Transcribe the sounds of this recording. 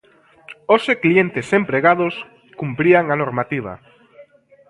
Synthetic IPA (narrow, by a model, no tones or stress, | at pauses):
oseklient̪ɪsempɾeɣað̞os | kumpɾiaŋanoɾmat̪iβ̞a̰